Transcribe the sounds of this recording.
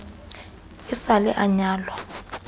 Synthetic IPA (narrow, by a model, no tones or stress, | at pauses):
isalɛʔaɲaːlwa